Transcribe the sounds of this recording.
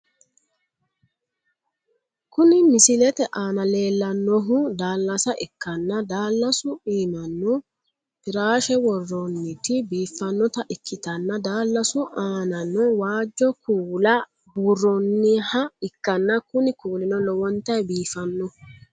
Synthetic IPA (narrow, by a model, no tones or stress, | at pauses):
kʊnɪmɪsɪlɛt̪ɛʔaːnɐle̞ːlːɐnːɔɦʊd̪aːlːɐsɐʔɪkːɐnːɐd̪aːlːɐsʊiːmɐnːɔ | pɪɾaːʃɛwɔrːɔnːɪt̪ɪbiːfːɐnːɔt̪ɐʔɪkʰːɪt̪ɐnːɐd̪aːlːɐsʊʔaːnɐnːɔwaːd͡ʒːɔkuːlɐ | buːrːɔnːɪhɐɪkːɐnːɐkʊnɪkuːlɪnɔlɔwɔnt̪ɐjbiːfɐnːɔ